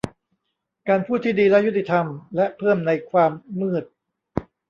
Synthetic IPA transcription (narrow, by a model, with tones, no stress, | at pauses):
kaː˧npʰuː˥˩t̪ʰːiː˥˩diː˧lɛ˦˥ʔju˦˥t̪ʰːi˧t̪ʰa˧mlɛ˦˥ʔpʰɤː˥˩mna˧jkʰwaː˧mːɯː˥˩t̪̚